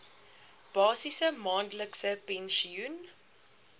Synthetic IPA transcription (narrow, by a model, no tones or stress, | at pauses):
b̥ɑːsisəmɑːndləksəpɛnʃiun